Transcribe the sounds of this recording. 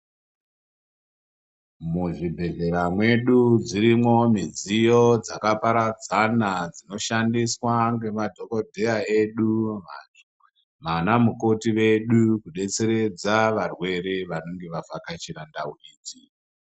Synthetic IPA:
muʐibʱe̞ɮe̞ɾamwe̞ɗud͡ziɾimo̞mid͡zijo̞d͡zakapaɾad͡zanad͡zino̞ʃandiswaŋɡe̞madʱo̞kodʱe̞jae̞ɗuma | manamuko̞tiʋe̞ɗukuɗe̞t͡se̞ɾe̞d͡zaʋarwe̞ɾe̞ʋano̞ŋɡe̞ʋavakat͡ʃiɾandauriːti

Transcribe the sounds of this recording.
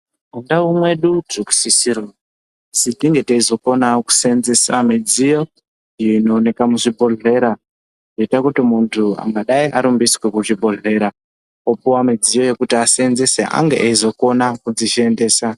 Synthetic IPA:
undaumwe̞ɗudeku̥sisiɾo | sitiŋɡe̞teizo̞ko̞naku̥senzesamid͡zijo̞ | iino̞ːne̞kamuʐibʱo̞ɮe̞ːɾa | doitakutimuntʰua̰ŋɡaɗaiʔaɾumbiswekuʐibʱo̞ɮe̞ːɾa | opuwamid͡zijo̞je̞kutiasenzeseʔa̰ŋɡeʔaizo̞ko̞nakud͡ziʃie̞nde̞ːsa

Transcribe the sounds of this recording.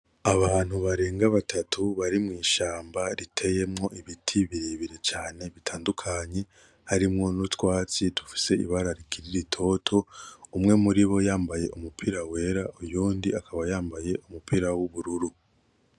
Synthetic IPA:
aβaːn̥huβaɾe̞ːŋɡaβatʰatʰuβaɾimŋiːʃaːmbaɾitʰe̞je̞mŋo̞iβitʰiβiɾiβiɾe̞t͡ʃaːne̞βitʰaːndukʰaɲe̞ | haɾimŋo̞nutwaːt͡situ̥fi̥se̞ḭβaɾaɾikʰiɾiɾitʰo̞ːtʰo̞umŋe̞muɾiβo̞jaːmbaje̞ʔumupʰiɾawe̞ɾaʔujuːndiakʰaβajaːmbaje̞ʔumupiɾawuβuɾuɾu

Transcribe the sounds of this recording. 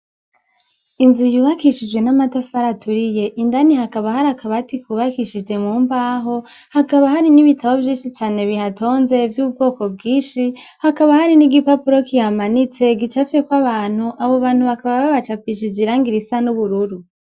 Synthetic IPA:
inzujuːβakiʃid͡ʒɡwe̞namatafaɾatuɾije̞ʔindanihakaβahaɾakʰaβatikuβakiʃid͡ʒe̞muːmbaːɦo̞ | hakaβaɦaɾiniβitʰaβovjiːnʃit͡ʃaːne̞βihato̞ːnze̞vjuːb̚ɡo̞ːko̞b̚ɡiːnʃi | hakaβahaɾiniɡipapuɾo̞kihamanit͡se̞ɡit͡ʃafe̞kwaβaːn̥huʔaβo̞βaːnhuβakaβaβaβat͡ʃafiʃid͡ʒiɾaŋɡiɾisanuβuɾuɾu

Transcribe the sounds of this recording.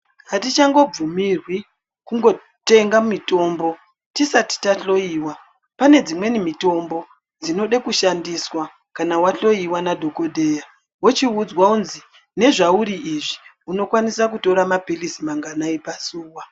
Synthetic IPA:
ɦatit͡ʃaŋɡo̞b͡vumirwi | kuŋɡo̞ | te̞ŋɡammito̞ːmbo̞ | tisati̥taɬo̞iːwa | pane̞d͡zimwe̞nimito̞mbo̞ | d͡zino̞ɗekuʃandiswa | kanawaɬo̞iwanadʱo̞ko̞dʱe̞ja | wot͡ʃiud͡zwaunzi | ne̞ʐauɾiːʐi | uno̞kwanisakuto̞ɾamapilisimaŋɡanaipasuːwa

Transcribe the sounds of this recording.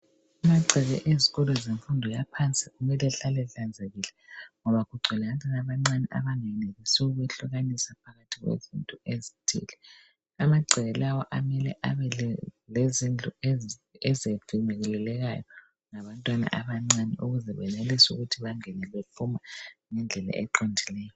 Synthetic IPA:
amaǀʱɛɣɛʔeziɣɔlɔzeɱfundʱɔjapʰant͡sʼiɣumɛlɛɬalɛɬand͡zʱeɣilɛŋɔβaɣuɡ͡ǀʱilɛɣatʰanaβaŋ͡ǀanɛʔa̰βaŋɛneɣisuuβɛɬuɣanisapʰaɣatʰiɣwḛzḭntʼuezitʰʼḭːlɛ | amaɡ͡ǀʱɛlawɔʔamɛlɛ̰ʔaβɛlezind͡ɮʱueɛzevimɛɣɛlɛlɛɣa̰jɔ | ŋaβantʼwana̰ʔaβaŋ͡ǀanɛ̰ʔuɣuzɛβɛnelisuɣutʰiβaŋɛnɛβepʰumaŋɛnd͡ɮʱɛla̰ʔɛǃondʱilɛːjɔ

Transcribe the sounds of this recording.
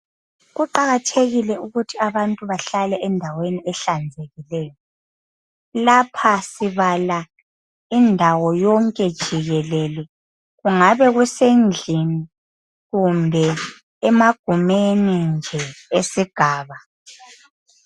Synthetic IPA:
ɣuǃaɣatʰeɣilɛuɣutʰiaβantʼuβaɬalɛʔɛndʱaweniɛɬand͡zʱeɣilɛːjɔ | lapʰasiβala | indʱawɔjɔŋkʼɛd̥ʒ̥ʱiɣɛlɛlɛ | ɣuŋaβɛɣusend͡ɮʱini | ɣumbʱɛ | ɛmaɡ̥ʱumenind͡ʒʱɛesiɡ̥ʱaːβa

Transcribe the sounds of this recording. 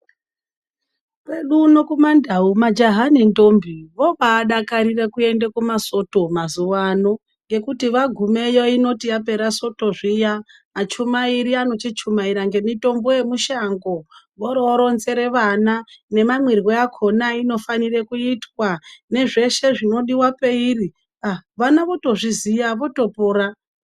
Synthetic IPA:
kwe̞ɗunokumandaumad͡ʒaɦanendombʱiʋo̞ɓaːɗakaɾirekue̞ndekumaso̞to̞mazuʋano̞ | ŋɡe̞kutiʋaɡʱume̞joino̞tijap̬e̞ɾaso̞to̞ʐijamat͡ʃumaiɾiano̞t͡ʃit͡ʃumaiɾaŋɡe̞mito̞mbojemuʃaŋɡo | ʋoɾoɾo̞nze̞ɾe̞ʋanane̞mamwiriɣo̞akʰo̞naino̞fanirekuitwane̞ʐe̞ʃe̞ʐino̞ɗiwape̞iri | aʋanaʋo̞to̞ʐizijaʋo̞to̞poːra

